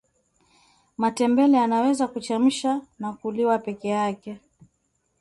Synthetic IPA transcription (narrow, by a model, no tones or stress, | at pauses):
matɛmbɛlɛanawɛzakut͡ʃam̩ʃanakuliwapɛkɛjakɛ